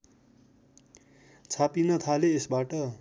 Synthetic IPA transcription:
t͡sʰapinʌt̪ʰaleːsbaʈʌ

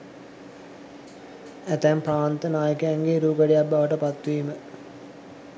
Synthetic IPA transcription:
æt̪æmpɾaːnt̪ənaːjəkəjæŋɡeːɾuːɡəɖijabːaʋəʈəpat̪ːʋimə

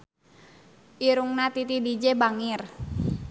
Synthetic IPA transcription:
ʔiɾuŋnat̪it̪idid͡ʒebaŋir

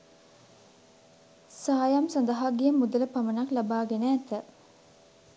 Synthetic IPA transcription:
saːjamsand̪əɦaɡijəmud̪ələpamənaklabaːɡenəːt̪ə

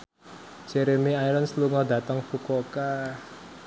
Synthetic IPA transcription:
d͡ʒeɾemiajɾɔnsluŋɔd̪ä̤t̪əŋfukoka

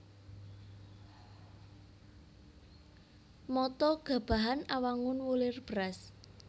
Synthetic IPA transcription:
mɔt̪ɔɡ̥a̤b̥a̤ɦanawaŋʊnwulɪrb̥əɾas

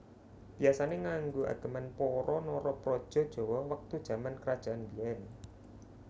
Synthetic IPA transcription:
b̥iasaneŋaŋɡua̰ɡ̥ə̤manpɔɾɔnɔɾɔpɾɔd̥ʒ̥ɔ̤d̥ʒ̥ɔ̤wɔwak̚t̪ud̥ʒ̥a̤mankəɾad̥ʒ̥a̤ʔanbiɛn

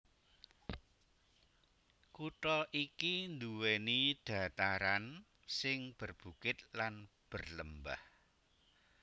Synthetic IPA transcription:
kuʈɔʔikind̪uwenid̪̥ä̤t̪aɾan | sɪŋb̥ərb̥ṳkɪt̪̚lan | b̥ərləmba̰h

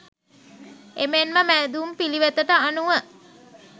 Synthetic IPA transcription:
emenməmæd̪uːmpiliʋet̪əʈəanuʋə

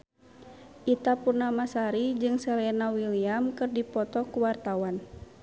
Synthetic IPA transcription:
ʔit̪apurnamasaɾid͡ʒɨŋsɛlɛnawiliamkɨrdipɔt̪ɔkuwart̪awan

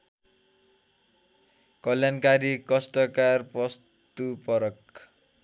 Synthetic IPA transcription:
kʌljankaɾikʌsʈʌkarpʌs | t̪upʌɾʌk

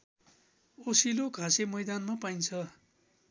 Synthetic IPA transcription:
osilokʰasemʌjd̪anmapajnt͡sʰʌ

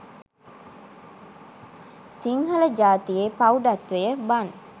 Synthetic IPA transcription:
siŋɦɐlɐd͡ʒaːt̪ijeːpɐuɖɐt̪ʋejəbɐn

